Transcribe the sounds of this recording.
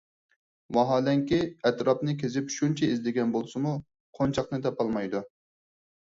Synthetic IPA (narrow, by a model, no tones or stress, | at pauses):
wɑɦɑːlɛŋkʲiɛt̪ɾɑpnɨkʲezɪpʃunt͡ʃʰɛizlɪɡʲɛnbolˠsɨmu | qʰont͡ʃʰɑqnɨt̪ʰɑpɑlˠmɑjd̪u